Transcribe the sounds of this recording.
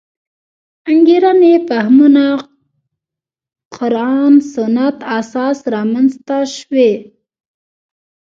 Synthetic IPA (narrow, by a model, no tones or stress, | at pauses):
aŋɡiɾanefahmuna | qʰʊɾɑnsʊnat̪asɑsɾɑmanzt̪aʃwe